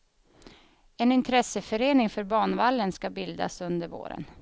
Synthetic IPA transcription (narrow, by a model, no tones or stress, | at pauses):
ɛnɪnt̪ʰɾɛsəfœɾeːnɪŋfœɾbɑːɳvalːənskabɪld̪a̰sɵnd̪əɾvo̰ːɾə̰n